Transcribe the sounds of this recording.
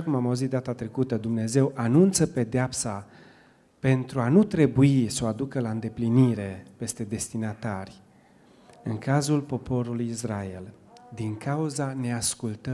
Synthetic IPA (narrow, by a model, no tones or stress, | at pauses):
akumamauzit̪̚d̪at̪at̪ɾe̞kut̪əd̪umne̞ze̞wʔanunt̪səpe̞d̪eapsa | pe̞nt̪ɾuanut̪ɾe̞buiso̞ad̪ukəlaɨnd̪e̞pliniɾe̞pe̞st̪e̞d̪e̞st̪inat̪arʲ | ɨŋkazulpo̞po̞ɾulujisraeld̪iŋkauzane̞askult̪ə